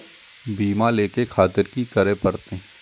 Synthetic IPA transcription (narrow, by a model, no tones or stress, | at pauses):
biːmãleːkekʰaːt̪ɪɾkikɐɾepɐɾt̪ẽ